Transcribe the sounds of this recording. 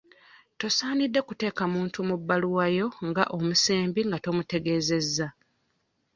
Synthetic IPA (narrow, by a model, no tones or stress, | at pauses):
to̞saːnidːe̞kute̞ːkamuːntumubːaluwajo̞ŋɡaʔomuse̞ːmbiŋɡato̞mute̞ɡe̞ːze̞zːa